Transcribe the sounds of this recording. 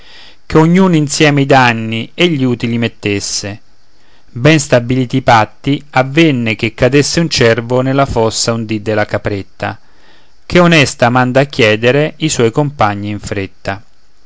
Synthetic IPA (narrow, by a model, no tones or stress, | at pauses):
keoɲːuːninsjɛːmeid̪anːieʎːuːt̪ilimet̪ːesːe | bɛnst̪abiliːt̪ipat̪ːiavːenːek̟ekːad̪esːeunt͡ʃɛrvonelːafɔsːaund̪id̪ːɪlakapɾet̪ːa̰ | k̟eonɛst̪amand̪aːk̟ːjɛːd̪eɾeiswɔjkompaɲːiːɱfɾet̪ːa